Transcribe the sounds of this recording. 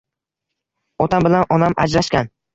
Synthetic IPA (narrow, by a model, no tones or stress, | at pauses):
ɒt̪ʰambɪlanɒnama̰d͡ʒɾaʃkʲan